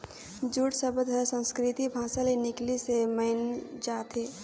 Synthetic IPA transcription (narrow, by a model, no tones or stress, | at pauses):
d͡ʒuːʈsəbəd̪ɦəsə̃nskɾɪt̪ibʱãːsalenɪkliseməɪnd͡ʒaːt̪ɦeː